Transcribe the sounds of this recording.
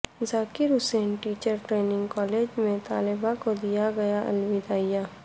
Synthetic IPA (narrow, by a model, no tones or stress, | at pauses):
zaːkiɾʊseːnʈiːt͡ʃəɾʈɾeːnɪ̃ŋɡkɔːleːd͡ʒmẽt̪aːlɪbakod̪ijaɡɐjaʔɐ̰lwid̪aːijaː